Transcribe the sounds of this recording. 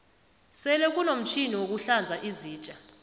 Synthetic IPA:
sɛlɛk̬unom̩t͡ʃʰiniwok̬uɬand͡zʱaʔiziːt͡ʃʼa

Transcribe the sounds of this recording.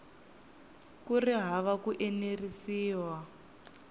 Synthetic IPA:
kuriɦaβakuʔenerisiːwa

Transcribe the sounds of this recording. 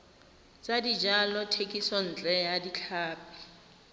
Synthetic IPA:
t͡sʼadid͡ʒalɔtʰekʼisɔn̩t͡ɬʼɛjadit͡ɬʰaːpi̥

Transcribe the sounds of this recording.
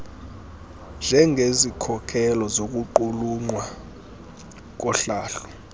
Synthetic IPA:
nd͡ʒʱɛŋʱezikʰɔkʰɛlɔzok̬ʼuǃuluŋ͡ǃwa | k̬ɔɬaːɬɔ̥

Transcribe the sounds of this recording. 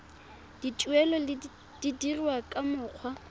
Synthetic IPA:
d̥it͡ʃʼwɛlɔl | d̥idirwakʼamʊːq͡χʰwa

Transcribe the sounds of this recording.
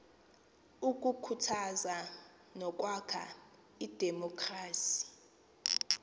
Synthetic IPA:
uk̬ʼukʰutʰaza | nɔk̬ʼwakʰa̰ | id̥ʱɛmɔkʰʼraːsi̥

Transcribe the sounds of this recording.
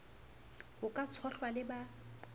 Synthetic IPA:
ɣʊkʼat͡sʰɔɬwalɪba

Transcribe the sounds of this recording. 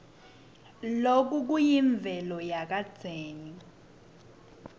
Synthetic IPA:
lok̬uk̬ujiɱb̪vʱɛlɔjak̬ad̥d͡z̥ʱeːni

